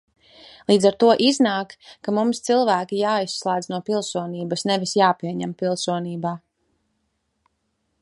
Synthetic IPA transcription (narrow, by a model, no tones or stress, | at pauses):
lˠiːdzaɾt̪uɔʔiznaːkːamumst̪silˠvæːkʲijaːisːlˠaːd̪znuɔpilˠsuɔniːbɐsnɛvisjaːpiɛɲɛmpilˠsuɔniːbaː